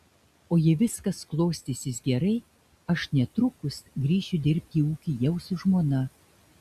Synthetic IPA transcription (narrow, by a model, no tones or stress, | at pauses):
oːjɛʋʲɪskɐsklˠoːsʲt̪ʲɪsʲɪsɡʲɛɾɐɪ | ɐʃnʲɛt̪ɾʊkʊsɡɾʲiːʃʲʊd̪ʲɪɾʲpʲt̪ʲiːuːkʲijɛʊsʊʒmoːnɐ